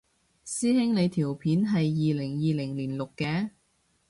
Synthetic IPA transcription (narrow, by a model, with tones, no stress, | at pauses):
siː˥hɪ˥ŋle˨˧jt̪ʰiː˨˩wpʰiː˨˥nɦɐ˨jːiː˨lɪ˨˩ŋjiː˨lɪ˨˩ŋliː˨˩nlʊ˨kːɛː˧